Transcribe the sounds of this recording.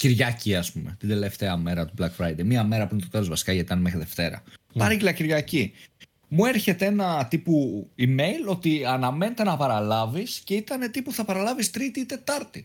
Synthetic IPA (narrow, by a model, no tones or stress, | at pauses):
ciɾʝɐciɐspume̞̰t̪ind̪e̞le̞ft̪eɐme̞ɾɐt̪ublɐkfɾɐjd̪ejmiɐme̞ɾɐpuɾinet̪ok̪ɐt̪ozvɐsi̥kɐʝɐt̪it̪ɐnemexɾiðe̞ft̪e̞ɾɐ̰pɐɾɐcilɐciɾʝɐci | mue̞ɾçe̞t̪ee̞nɐt̪ipuime̞jlo̞t̪iɐnɐme̞net̪e̞nɐpɐɾɐlɐvisce̞it̪ɐne̞t̪ipuθɐpɐɾɐlɐvist̪ɾit̪it̪e̞t̪ɐɾt̪i